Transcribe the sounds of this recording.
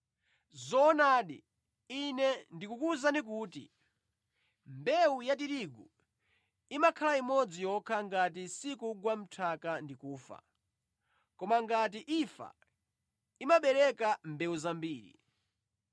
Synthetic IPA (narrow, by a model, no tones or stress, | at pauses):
zɔːnaɗḭ | inɛndikukuzanik̬uːtḭ | mbɛujat̬iɾiɡu | imakʰalaimɔd͡zijɔkʰaŋɡat̬isikuɡwam̩tʰakandikuːfa̰ | kɔmaŋɡat̬iʔifa̰ | imaɓɛɾɛkambɛuzambiːɾḭ